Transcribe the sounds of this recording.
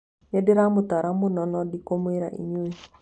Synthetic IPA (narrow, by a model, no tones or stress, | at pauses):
ɲɛdeɾamotaɾamonɔnɔdikomweɾa̰ʔḭɲe